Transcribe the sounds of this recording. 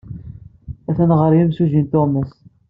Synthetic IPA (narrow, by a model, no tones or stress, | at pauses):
æθænʁəɾjimsuʒint̪oməs